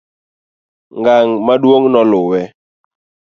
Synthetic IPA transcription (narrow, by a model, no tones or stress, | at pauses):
ŋɡaŋmaɗwoŋnɔlʊwɛ